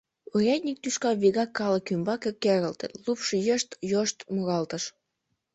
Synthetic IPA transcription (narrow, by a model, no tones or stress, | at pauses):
urʲɑt̪ʲnʲik̚t̪yʃkɑβiɣɑkːɑlə̆kymbɑkekːeɾəlt̪ə̰̆t̪lupʃəjəʃt̪joʃt̪muɣɑlt̪əʃ